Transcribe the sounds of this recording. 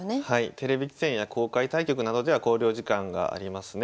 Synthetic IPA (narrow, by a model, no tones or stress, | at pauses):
hait̪e̞ɾe̞bʲikʲi̥sẽ̞ɰ̃jakʰo̞ːkait̪aikʲo̞kɯ̟nad̪o̞d̪e̞β̞ako̞ːɾʲo̞ːʑikãŋɡa̰ʔa̰ɾʲimasɨne